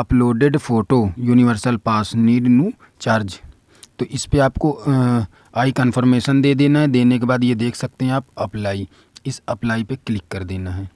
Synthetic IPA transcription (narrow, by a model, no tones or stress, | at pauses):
əploːɖeɖpʰoːʈoːjuːnɪʋəɾsəlpaːsniːɖnũː | t͡ʃaːɾd͡ʒ | t̪oːʔɪspeaːpko | aːikənpʰəɾmeːʃənd̪eːd̪eːnaːɦɛːd̪eːnekebaːd̪jeːd̪eːkʰsək̚t̪eɦɛ̃aːpəplaːiː | ɪsəplaːipeklɪkːəɾd̪eːnaːɦɛː